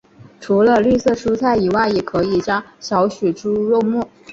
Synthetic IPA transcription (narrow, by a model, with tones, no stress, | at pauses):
ʈ͡ʂʰu˧˥lə˧ly˥˧sɤ˥˩ʂu˥t͡sʰa˥˩ɪi˨˩wa˥˩ɪjɛ˨˩kʰɤ˧˥i˨˩t͡ɕjɑ˥ŋɕjɑ˧˥ʊɕɛ˨˩ʈ͡ʂu˥ɻɔ˥˧ʊmɔ˥˩